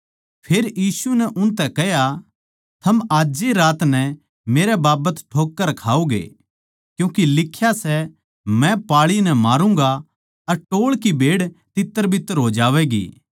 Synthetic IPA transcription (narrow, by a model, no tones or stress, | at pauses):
pʰeːɾjiːsunɛʔʊnt̪ɛkɛɦja | t̪ʰɐmaːd͡ʒeɾaːt̪nɛ | meːɾɛbaːbət̪ʈʰoːkːəɾkʰaːuɡḛː | kjũːkilɪkʰːjasɛ | mɛ̃paːɭinɛmaːɾũŋɡa | ɐɾʈoːɭkibʱeːɽt̪ɪt̪ːəɾbʱɪt̪ːəɾɦod͡ʒaːʋɛɡḭː